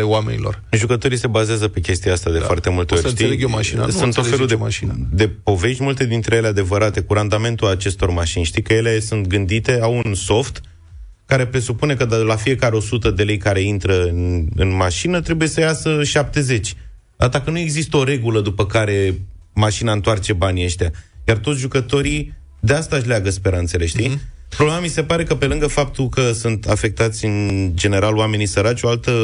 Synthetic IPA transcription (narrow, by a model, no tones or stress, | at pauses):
lewame̞̰nilo̰rʒukət̪o̞ɾise̞bazeazəpe̞kʲe̞st̪iaast̪ad̪efoart̪e̞mult̪eoɾʃt̪ieleɡjomaʃina̰sunofeud̪ea̰ʃin̰d̪e̞po̞ve̞ʃt̪ʲmult̪e̞d̪int̪ɾejelead̪e̞vəɾat̪e̞kuɾand̪ame̞nt̪ulat͡ʃe̞st̪o̞rmaʃinʲʃt̪ikəjelesunt̪ɡɨnd̪it̪e̞awunso̞ft̪ | kaɾe̞pɾe̞supune̞kəd̪lafije̞kaɾeo̞sut̪əd̪e̞le̞jkaɾe̞int̪ɾəɨnɨ̰nmaʃinət̪ɾe̞buje̞səjasəʃap̚t̪e̞ze̞t͡ʃʲ | d̪at̪akənue̞ɡzist̪əo̞ɾe̞ɡuləd̪upəkaɾe̞ | maʃinaɨnt̪oart͡ʃe̞banʲeʃt̪ʲjajart̪ot̪sʲʒukət̪o̞ɾi | d̪e̞ast̪aʃ̬leaɡəspe̞ɾant̪se̞le̞ʃt̪i | pɾoblemamise̞paɾe̞kəpe̞lɨŋɡəfap̚t̪ulkəsunt̪a̰fe̞k̚t̪at̪sʲɨnd͡ʒe̞ne̞ɾaloame̞nisəɾat͡ʃʲo̞alt̪ə